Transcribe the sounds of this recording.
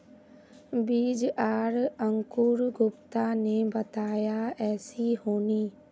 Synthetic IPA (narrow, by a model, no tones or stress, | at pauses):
biːd͡ʒaːɾə̃ŋkʊɾɡʊpt̪anebət̪aːjaɛːsiɦoːniː